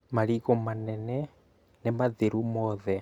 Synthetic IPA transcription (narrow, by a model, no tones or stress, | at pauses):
maɾiɣomanɛnɛ | nemaðeɾumɔðɛ